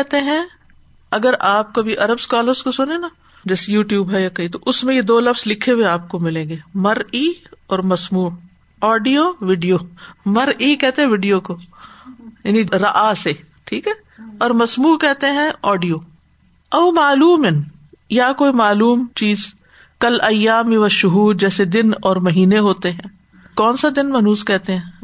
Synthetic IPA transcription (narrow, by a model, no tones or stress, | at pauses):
ɛɦt̪eɦɛ̃ | ɐɡəɾaːp̚kobʱiʔɐɾəbskaːləɾzkosʊnena | d͡ʒɛːsejuːʈjuːbɦɛjakɐit̪oʔʊsmẽjed̪oːlɐfslɪkʰeɦʊweaːp̚komɪlẽːŋɡeːmɐɾiːɔːɾmɐsmuː | ɔːɖijoʋɪɖijoːmɐɾikɛɦt̪ẽɦɛ̃ʋɪɖijoko | jaːniɾɐʔase | ʈʰiːkɦɛː | ɔːɾmɐsmuːkɛɦt̪eɦɛ̃ɔːɖijoː | ɐʊmaːluːmɪn | jakoːimaːluːmt͡ʃiːz | kɐlɐjːaːmʋɐʃʊɦuːɾ̚d͡ʒɛːsed̪ɪnɔːɾmɐɦiːneɦoːt̪eɦɛ̃ː | kɔːnsad̪ɪnmɐnuːzkɛɦt̪eɦɛ̃ː